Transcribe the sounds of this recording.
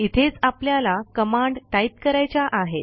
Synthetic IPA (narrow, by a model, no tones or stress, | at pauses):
it̪ʰet͡sapljalakəmaɳɖʈait̪kəɾajt͡ɕaʔaɦet̪